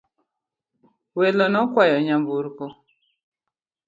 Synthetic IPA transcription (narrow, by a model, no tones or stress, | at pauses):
welɔnɔkwajɔɲambuɾkɔ